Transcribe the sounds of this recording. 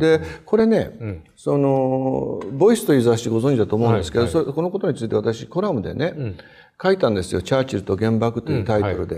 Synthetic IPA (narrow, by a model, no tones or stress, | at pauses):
d̪e̞ko̞ɾe̞ne̞ | so̞no̞ | bo̞isɨ̥t̪o̞izaɕit̪eɡo̞zõɲ̟d͡ʑid̪at̪oːmoɯ̟nd̪esɨ̥ke̞d̪osoko̞no̞ko̞t̪o̞ɲ̟it͡sɨit̪e̞βat̪aɕiko̞ɾamɯ̟d̪e̞̰ne̞ | kait̪ãnd̪e̞sɨjo̞t͡ɕaːt͡ɕiɾɯ̟t̪o̞ɡẽ̞mbakɯ̟̥t̪ːojiɯ̟t̪ait̪o̞ɾɯ̟d̪e̞